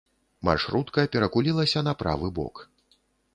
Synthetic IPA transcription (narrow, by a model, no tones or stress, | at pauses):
ma̰rʂɾut̪kɐpʲɛɾɐkulʲilˠɐsʲɐnɐpɾa̰vɨbɔ̰k